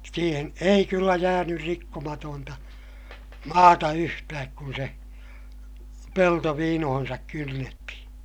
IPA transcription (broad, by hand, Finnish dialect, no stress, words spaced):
siːhen ei kylːæ jæːnyr rikːomɑtoːntɑ mɑːtɑ yhtæːk kun se pelto ʋiːnohonsɑk kynːetːihĩː